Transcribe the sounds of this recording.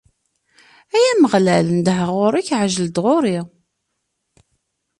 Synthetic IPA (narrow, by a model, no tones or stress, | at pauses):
æjæməʁlælnd̪əɦəʁʊɾæçʕʒəld̪ʁoɾi